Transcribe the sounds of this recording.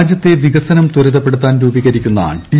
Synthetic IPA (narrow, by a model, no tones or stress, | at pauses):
d͡ʑjɐt̪ːe̞ʋiɣɐsɐnɐmt̪uɾɐðɐpːe̞ɽut̪ːaːnɾuːbiɣɐɾikʲːunːɐ̰ːɳʈi